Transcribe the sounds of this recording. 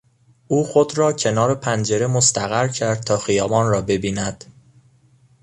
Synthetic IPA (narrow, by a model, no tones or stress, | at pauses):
ʔuːxo̞d̪ɾɒːcʰe̞nɒːɾe̞pʰænd͡ʒe̞ɾe̞most̪æɣæɾcʰæɾd̪̚t̪ʰɒːxijɒːvɒːnrɒːbe̞biːnæd̪̥